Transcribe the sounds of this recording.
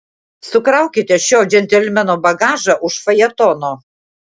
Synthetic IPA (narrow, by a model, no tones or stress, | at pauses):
sʊkɾɐˑʊkʲɪt̪ʲɛʃʲoːd͡ʒʲɛnʲt̪ʲɛlʲmʲɛnoːbɐɡɑːʒɐʔʊʃfɐjɛt̪ɔnoː